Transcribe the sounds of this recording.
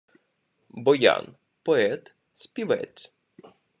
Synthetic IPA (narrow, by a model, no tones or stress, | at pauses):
bɔjɑ̰n | pɔɛt̪ | sʲpʲiʋɛ̰t͡sʲ